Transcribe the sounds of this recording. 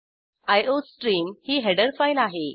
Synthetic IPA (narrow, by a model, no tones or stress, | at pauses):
ajosʈɾiːmhiːɦɛɽəɾfajlaɦe